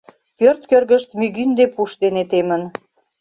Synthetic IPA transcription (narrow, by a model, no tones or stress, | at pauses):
pørt̪kørɣəʃt̪myɣynd̪epuʃd̪enet̪emən